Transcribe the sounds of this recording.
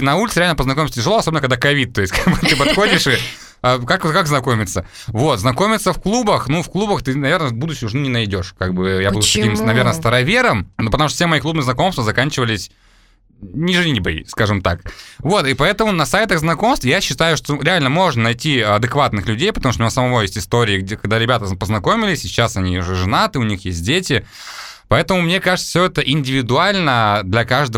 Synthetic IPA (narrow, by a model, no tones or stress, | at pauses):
nɐulʲt̪sɨɾʲalnəpəznɐkomʲɪmsətʲɪʐɨlˠoɐsobʲnkɐɡd̪akɐvʲit̪̚t̪ːo̞jɪsʲtʲkabɨt̪ɨpɐt̪xo̞dʲɪʂɨ | akakkakznɐko̞mʲɪt̪sə | vo̞t̪znɐko̞mʲɪt̪səfklˠubəxnufklˠubəxt̪ɨnɐvʲe̞rnəbud̪ʊɕːɪmʊʐnunʲɪnɐjdʲo̞ʂkaɡ̚bɨjabud̪ʊsk̪ɐkʲimsnɐvʲernəst̪əɾɐvʲe̞ɾəmnopət̪ɐmuʂt̪əfʲsʲemɐjik̪ˠubnɨznɐko̞mst̪vəzɐkanʲt͡ɕɪvəlʲɪsʲ | nʲɪʐɨnʲibəjskaʐɨmt̪akvo̞t̪ɨpɐɛt̪əmʊnɐsajt̪əɣznɐko̞mst̪jaɕːɪt̪ajʊʂt̪oɾʲɪalʲnəmo̞ʐnənɐjtʲiɐd̪ɨkvat̪nɨxlʲʉdʲejpət̪ɐmuʂt̪ʊmʲnʲasəmɐvojesʲtʲɪst̪o̞ɾʲɪːɡʲkɐɡd̪aɾʲɪbʲat̪əpəznɐko̞mʲɪlʲɪsʲt͡ɕːasɐnʲiʊʐɨʐɨnat̪ɨʊnʲixjesʲt̚ʲdʲetʲɪ | pɐɛt̪əmʊmnʲe̞kaʐɨt̪ə̥fsʲɵɛt̪əʔɪnʲdʲɪvʲɪd̪ʊalʲnəd̪lʲɐkaʐd̪ə